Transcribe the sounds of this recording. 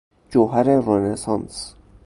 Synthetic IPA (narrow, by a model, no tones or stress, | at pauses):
d͡ʒoɦæɾeɾonesɑns